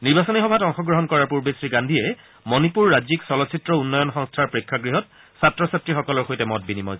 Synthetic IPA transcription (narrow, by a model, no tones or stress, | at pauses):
niɹbasɔnixɔbʱatɔŋxɔɡɹɔɦɔnkɔɹaɹpuɹbesɹiɡandʱiɛ | mɔnipuɹːad͡ʒiksɔlɔsʰitɹɔunːɔjɔnxɔŋstʰaɹpɹekʰːaɡɹiɦɔt̚ | satɹɔsatɹixɔkɔlɔɹxojtɛmɔt̚binimɔ̰j